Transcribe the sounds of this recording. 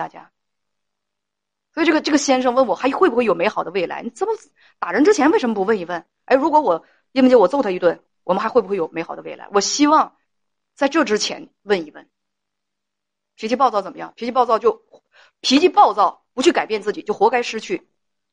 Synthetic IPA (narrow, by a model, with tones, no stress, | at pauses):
a̰˥˩t͡ɕja̰˥ | swɔ˧˥i˨˩ʈ͡ʂɤ˥˩ɡə˩ʈ͡ʂɤ˥˩ɡə˩ɕjɛ˥nʂɤ˥˧ŋwə˥˩nwɔ˨˩xa˧˥ɪ˧xwe˥˩ɪbu˧xwe˥˩jo˨˩ʊe˧˥ɪxɑ˨˩ʊd̪ə˦we˥˩ɪla̰˧˥ɪni˧˩t͡sə˥mə˧˩ | t̪a˨˩ɻə˧˥nʈ͡ʂɻ̩˥t͡ɕʰjɛ˧˥nwe˥˩ʂə˧˥məpu˧˥wə˥˧ni˥˩wə˥˩n | a˧˥ɪ˧˩ɻu˧˥kwɔ˧˥wɔ˨˩˦ | i˥˧wt͡ɕɛ˥wɔ˨˩t͡so˥˧t̪ʰə˩i˧˥t̪wə˥˩n | wɔ˨˩ə˦xa˧˥ɪxe˥˩bxwe˥˩jo˨˩me˥xɑ˨˩ʊd̪ə˦we˥˩ɪla̰˧˥ɪwɔ˨˩ɕi˥wɑ˥˧ŋ | t͡sa˥˧ɪʈ͡ʂɤ˥˩ʈ͡ʂɻ̩˥t͡ɕʰjɛ̰˧˥n | wə˥˧ni˥˩fə̰˥˩n | pʰi˧˥t͡ɕʰi˥˧p̬ɑ˥˧t͡sɑ˥˩ʊt͡sə˨˩mə˦jɑ˥˩ŋpʰi˧˥t͡ɕʰpɑ˥˧ʊt͡sɑ˥˧ʊt͡ɕjo˥˩ʊ | pʰi˧˥t͡ɕʰi˥˧pɑ˥˧ʊt͡sɑ˥˩ʊpu˧˥t͡ɕʰy˥˩ka˨˩ɪpjɛ˥˧nt͡sɹ̩˥˩t͡ɕi˨˩t͡ɕjo˥˩ʊxwɔ˧˥ka˥ɪʂɻ̩˥t͡ɕʰy˥˩